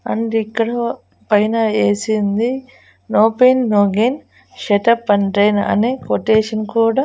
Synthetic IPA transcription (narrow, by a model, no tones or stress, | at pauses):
ɐ̰ɳɖikːɐɽɐ | pɐjnɐeːsind̪i | noːpeːnːoːɡen | ʃeʈɐpːɐnʈɾɐjnɐ̰neːkoʈeːʂɐnkuːɽaː